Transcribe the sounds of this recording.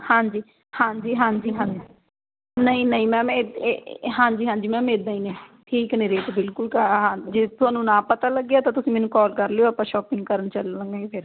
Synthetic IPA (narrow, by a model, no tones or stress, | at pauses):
hãːɲd͡ʒiː | hãːɲd͡ʒiːɦãːd͡ʒiːɦãːd͡ʒi | nəĩːnəĩːmɛ̃ːm | ɦãːɲd͡ʒiːɦãːd͡ʒiːmɛ̃ːmeːd̪ãːĩːnɛ̃ːʈʰiːknẽːɾeːtbɪlkʊlkəɦãːd͡ʒeːt̪ʊɦãːnũːnãːpət̪aːləɡːjaːt̪ãːt̪ʊsĩːmɛːnũːkɔːlkəɾleːoːaːpãːʃɔːpɪ̃ŋɡkəɾənt͡ʃələ̃ŋɡãːiːpʰɪɾ